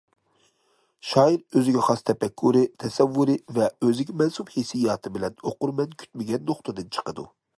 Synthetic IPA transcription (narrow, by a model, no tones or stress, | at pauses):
ʃɑːiɾøzɪɡʲɛχɑst̪ʰɛpɛkʲʰːuɾɨt̪ʰɛsɛvːuɾɨvɛøzɪkʲimɛnsuphesijɑːt̪ʰɨbɪlɛnoquɾmɛnkʲʰy̥t̪̚mɪɡʲɛnːoχt̪ʰɨd̪ɨnt͡ʃʰə̥qəd̪ṵ